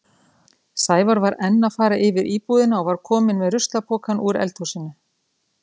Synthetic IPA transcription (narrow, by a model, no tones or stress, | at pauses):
saːjvaɾvaɾɛnːafaːɾaʔɪvɪɾʔiːpuːðɪnaɔvaɾ̥kʰɔːmɪnmɛðrʏst̪lapʰɔːkanuɾɛ̰lt̪usɪnːʏ